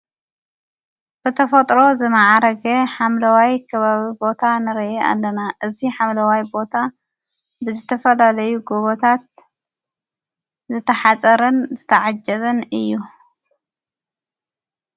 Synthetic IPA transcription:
b̥ɨt̪ʰɐfɐt̪ʼɾo̞zɨmaʕaɾɐɡeħamlɐwajkʰɐβaβibo̞t̪ʰanɨɾɐʔea̰lːɐnaʔɨziħamlɐwajbo̞t̪ʰa | bɨzɨt̪ʰɐfɐlalɐjuɡoβot̪ʰat̪̚ | zɨt̪ʰːɐħat͡sʼɐɾɨnzɨt̪ʰɐʕad͡ʒɐβɨnɨjːu

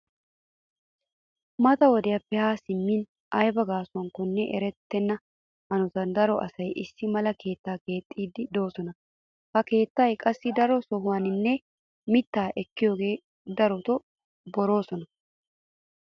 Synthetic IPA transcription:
mɐt̪ɐwɔd̪ɛjɐpːɛhaːsɪmːin | ʔɐjbɐɡaːsʊwɐŋkɔnːɛʔɛɾɛt̪ːɛnːɐ | hɐnɔt̪ɐnd̪ɐɾɔʔɐ̰sɐjʔɪsːɪmɐlɐkʰe̞ːt̪ːaːke̞ːt̪ʼːiːd̪ɪd̪o̞ːsɔnɐ | hɐke̞ːt̪ːajkʼɐsːɪd̪ɐɾɔsɔɦʊwɐnɪnːɛ | mɪt̪ːaːʔɛkːɪjo̞ːɡe̞ː | d̪ɐɾɔt̪ɔ | bɔɾo̞ːsɔnɐ

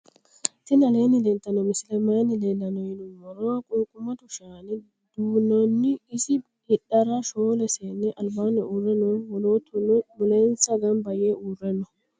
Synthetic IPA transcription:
t̪ɪnɐleːnɪd̪ɛnt̪ːɐnɔmɪsɪlɛmaːnɪleːlːɐnɔjɪnʊmɔɾɔwɐkʼʊːkʼʊmːɐt̪ʊʃaːnɪ | d̪̥uːnɔnːɪɪsɪ | ɪɗɐɾɐʃoːlɛseːnːɛʔɐlbaːnɛʔuːrɛnːɔɔlot̪ʊmʊlensɐɡɐnbɐjeurːɛnːɔ

